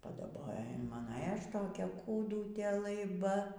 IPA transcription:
pɐdɐˈboːjoː ɪn ˈmɑːnoː eː ˈɐʃ toːˈkʲɛ kuːˈdʊtʲeː lˠɐɪˈbɐ

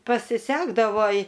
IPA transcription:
pɐsʲɪˈsʲæːɡdɐʋoː ɪ

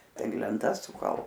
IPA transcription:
tɐɪ lʲɛnˈtɐs sʊˈkɐlˠ

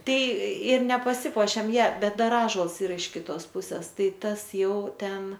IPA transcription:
ˈtɐɪ ɪr nʲɛpɐˈsʲɪpuɔʃʲeːm jɛ ˈbʲɛt ˈdɐr ˈɑːʒuɔlˠs ˈiːrɐ ɪʃ kʲɪˈtoːs ˈpʊsʲɛs ˈtɐɪ ˈtɐs ˈjɛʊ ˈtʲɛn

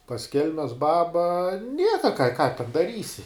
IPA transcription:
pɐs ˈkʲɛlʲmʲɛs ˈbɑːbɐ ˈnʲiɛkɐ kɑː kɑː tʲɛn dɐˈrʲiːsʲɪ

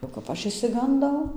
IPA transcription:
oː kɐp ˈɐʃ ɪʃʲsʲɪɡɐnˈdɐʊ

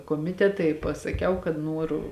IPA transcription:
koːˈmʲɪtʲɛtɐ ɪ pɐsɐˈkʲɛʊ kɐt ˈnuɔrʊ

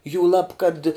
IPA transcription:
juːˈlˠɐp kɐt

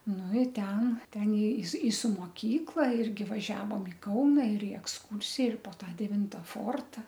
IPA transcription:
ˈnʊ ɪ ˈtʲɛn ˈtʲɛn ɪ sʊ ɪ sʊ moːˈkʲiːklˠɐ ˈɪrʲɡʲɪ ʋɐˈʒʲæːʋoːm ɪ ˈkɐʊnɐ ɪr ɪ ɛksˈkuːrʲsʲɪjɛ ɪr poː ˈtɑː dʲɛˈʋʲɪntɐ ˈfoːrtɐ

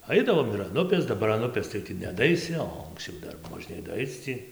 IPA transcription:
ˈɐɪdɐʋoːm ɪr ɐn ˈʊpʲeːs dɐˈbɐr ɐn ˈʊpʲeːs tɐɪ ˈtʲiː nʲɛdɐˈɐɪsʲɪ oː ɐŋksʲˈt͡ʃʲɛʊ ˈdɐr moːˈʒʲnʲeːj dɐˈɐɪt͡s tʲiː

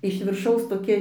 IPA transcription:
ɪʃ ʋʲɪrˈʃɐʊs toːˈkʲɛ

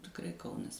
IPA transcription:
tʲɪkˈrɐɪ ˈkɐʊnɐs

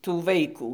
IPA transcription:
tuː ˈʋɐɪkuː

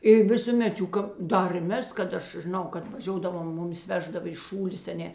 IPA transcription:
ɪ ʋʲɪsʊˈmʲɛt ˈjuː kɐp ˈdɐr ɪr ˈmʲɛs kɐt ˈɐʃ ʒʲɪˈnɐʊ kɐt ʋɐˈʒʲoːdɐʋoːm ˈmʊˌmʲɪs ˈʋʲæːʒdɐʋɐ ɪʃ ˈʃuːlʲeːs ɐ ˈnʲɛ

